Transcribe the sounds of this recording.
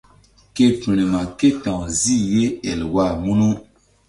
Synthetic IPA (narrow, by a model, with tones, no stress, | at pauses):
ke˦pi˨ñe˨ma˨ke˦tã˨wzi˦˨je˦ɛ˨lwa˦˨mu˦nũ˦